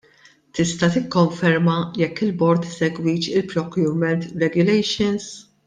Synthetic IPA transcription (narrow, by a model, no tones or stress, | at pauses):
t̪ɪst̪ɐt̪ɪkːɔɱfɛɾmɐjɛkːɪlbɔɾt̪ɪsɛɡwiːt͡ʃɪlpɾɔkjuːɾmɛnt̪ɾɛɡjʊlɛjʃɔns